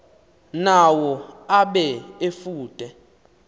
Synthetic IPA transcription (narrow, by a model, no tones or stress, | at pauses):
nawɔaɓɛefuːtʼɛ